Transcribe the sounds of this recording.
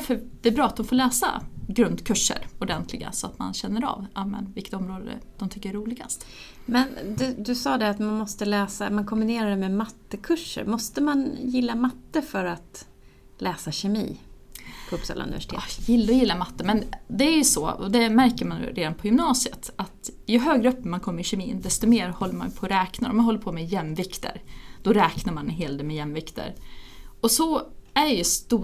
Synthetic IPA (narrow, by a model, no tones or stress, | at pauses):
fœd̪̥ɛæːbɾɑːat̪̚d̪ɔmfoːɭɛːsa̰ɡɾɵnd̪kʰɵʂːə̰ɾɔɖ̪ɛnt̪ʰlɪɡa̰sɔat̪ma̰nɕɛnːəɾɑ̰vɑmɛ̰nvɪlkːə̥t̪ɔmɾoːd̪ə̰d̪̥ɔmt̪ʰʏkːəɛɾuːlɪɡa̰st̪ | mɛnd̪ɛd̪ɵsɑːd̪ɛat̪manmɔst̪əlɛːsa̰mankʰɔmbɪneːɾad̪ɛmɛmat̪ːəkʰɵʂːə̰ɾmɔst̪əmanjɪlːamat̪ːəfœɾat̪ | lɛːsaɕɛmḭː | pʰupsɑ̰ːla̰ɵ̰nɪvɛ̰ʂɪ̥ḛjɪlːəɔjɪlːamat̪ːəmɛnd̪ɛæɾjɵsɔ̰ɔ̰d̪ɛmæɾkəɾman̰ɾeːd̪anpʰɔjʏɵmnɑːsɪə̰t̪at̪jɵɦøːɡɾəœpːəmankʰɔmːəɾɪɕɛmiːnd̪ɛst̪ɔmeːɾhɔlːəɾma̰npʰɔːɾɛːknaɾɔ̰manɦɔlːəɾpʰoːmɛjɛmːvɪkt̪ʰə̰ɾd̪̥ɔɾɛːknaɾmanɦeːld̪ɛmɛjɛmːvɪkt̪ʰə̰ɾ | ɔsɔæɾjɵst̪uː